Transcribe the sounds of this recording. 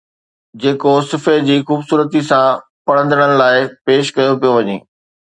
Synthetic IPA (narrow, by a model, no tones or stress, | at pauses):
d͡ʑeːkosɪfed͡ʑiːxuːbsuːɾət̪isã | pɐɽ̤̃ə̃nd̪əɽ̃ənɪ̆laːɪpeːʃkɐjopijoʋɐɲḛː